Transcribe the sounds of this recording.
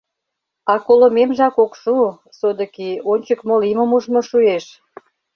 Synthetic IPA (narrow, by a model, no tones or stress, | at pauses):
ɑkolomemʒɑkokʃu | sod̪ə̆kionʲt͡ɕəkmolimə̆muʒmoʃueʃ